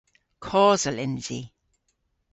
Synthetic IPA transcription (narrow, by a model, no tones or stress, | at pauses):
kʰɔːzəlɪnviː